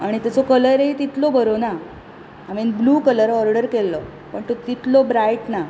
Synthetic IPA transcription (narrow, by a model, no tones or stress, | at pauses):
aɽ̃it̪at͡sokələɾet̪it̪lobəɾona | amenbluːkələɾɔɾɖəɾkelːɔ | pəɳt̪ot̪it̪lobɾaiʈna